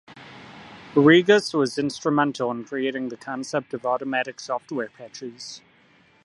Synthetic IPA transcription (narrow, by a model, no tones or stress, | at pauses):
əɹiɡəswɒzɪ̃nstɹ̥əmɛ̃ntʰəl̩ˠə̃nkʰɹ̥ieɪɾɪ̃ŋðəkʰɒ̃nsɛp̚təvɔˑɾəmɛɾɪksɔftwɛːpʰɛtʰɹ̥iz̥